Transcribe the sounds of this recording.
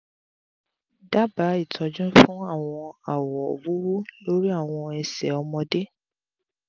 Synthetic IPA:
da˦ba˨˦i˦˨tʰɔ˨˧d͡ʒɔ̃˦fũ˦a˦˨w̃ɔ̃˧a˨wɔ˨wu˦wu˦lo˦ɾi˦a˦˨w̃ɔ̃˧ɛ˧sɛ̰˨ɔ˧mɔ̃˧de˦

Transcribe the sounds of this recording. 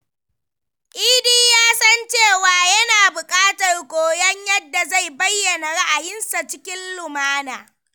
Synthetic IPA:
ʔiː˦diː˦jaː˦sɐ˦nt͡ʃeː˦˨waː˨jɐ˦naː˨bʊ˨kʼaː˦tɐ˨rɡʷoː˨jɐ˦ɲjɐ˦dːa˨za˦˨jbɐ˦jːɐ˨na˨ɽa˦ʔa˨jɪ˦nsa˨t͡ʃɪ˦kʲɪ˦nlʊ˨maː˦naː˨

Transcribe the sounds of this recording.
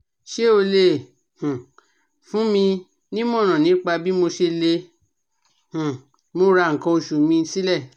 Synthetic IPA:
ʃe˦˨o˧le˧˦˨ | hũ˨ | fũ˨˦mĩ˧ | nĩ˦m˦ɔ̃˦˨nã˨nĩ˨˦k͡pa˧bi˦mo˧ʃe˧le˧ | hũ˨ | mo˧ɾa˧˨ŋ̩˨kɔ̃˧o˧ʃu˨mĩ˧n̩˧˦si˦lɛ˦˨

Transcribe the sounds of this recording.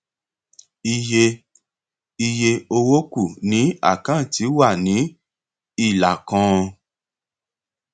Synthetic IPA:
i˧je˧ | i˧je˧o˧wo˦ku˦˨nĩ˨˦a̰˦˨kã˦˨ti˨˦wa˦˨nĩ˨˦ | i˦˨la˨kɔ̃˧˦˧

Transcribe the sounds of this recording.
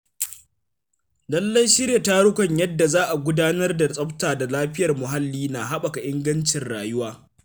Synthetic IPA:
lɐ˦lːɐ˦jʃɪ˦ɾja˨ta˦ɽʊ˦kʷɐ˨ɲjɐ˦dːa˨zaː˦ʔa˨ɡʷʊ˦daː˦nɐ˦rda˨t͡sʼɐ˦ɸtaː˨da˨laː˦ɸɪ˦jɐ˨rmʊ˨ɦa˦lːiː˦na˨ɦa˦ɓa˨ka˨ʔɪ˦ŋɡɐ˦nt͡ʃɪ˨nɽa̰ː˨jʊ˦waː˦

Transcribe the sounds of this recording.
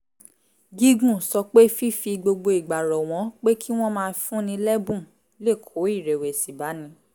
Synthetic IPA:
ɡi˦ɡũ˦˨sɔ˧k͡pe˦fi˦fi˧ɡ͡bo˧ɡ͡bo˧i˨ɡ͡ba˨ɾɔ˨w̃ɔ̃˨˦k͡pe˦kʰi˦w̃ɔ̃˦mãː˧fũ˦nĩ˧lɛ˦bũ˦˨ | le˦˨kʰo˨˦i˦˨ɾɛ˨we˨si˨ba˨˦nĩ˧˦

